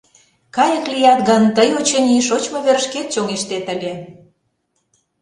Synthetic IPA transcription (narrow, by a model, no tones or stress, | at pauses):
kɑjə̆klijɑt̪̚ɡɑnt̪əjot͡ɕə̆niʃot͡ɕmŏβerʃket̪̚t͡ɕoŋeʃt̪et̪ə̆lʲe